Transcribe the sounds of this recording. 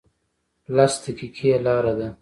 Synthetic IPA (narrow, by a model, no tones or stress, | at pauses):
last̪əkikʰijalɑːɾad̪a